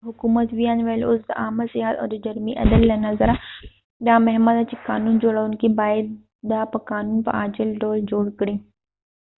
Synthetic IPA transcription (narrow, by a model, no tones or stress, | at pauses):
ɦʊkuːmət̪ʋijaːnʋelʊzd̪aːmseɦət̪ɔ̰ːɾd͡ʒɐɾmiʔɐ̰d̪əlːɐnɐzəɾa | jãːmɛɦməd̪at͡ʃikaːnuːnd͡ʒoːɽaʊnkibaːɪd̪ | d̪aːpɐkaːnuːnpɐ̰ʔaːd͡ʒəlɖoːld͡ʒoːɽkəɽeː